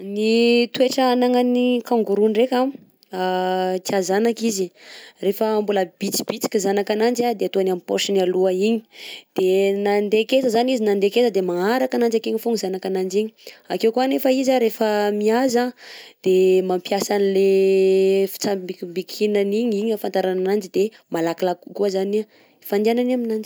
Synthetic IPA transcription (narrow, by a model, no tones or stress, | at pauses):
nit̪ueʈ͡ʂəanaŋanikaŋɡuɾunrekʲam | at͡siazanakizirefəːmbuləb̥it͡si̥bit͡si̥kizanakanand͡ʒad̪eat̪uanampoʃinialuəiɲi̥d̪̥enand̪eket͡səzanizinand̪eket͡səd̪emaaɾakanand͡ʒakeɲifuŋizanakanand͡ʒiɲiakewkuanefəizaɾefəmiazad̪̥emampjasanile | fi̥t͡sabikmbikʰinaniɲiɲafant̪aɾananand͡ʒid̪emalakilakukuəzani | fand̪iananaminand͡ʒi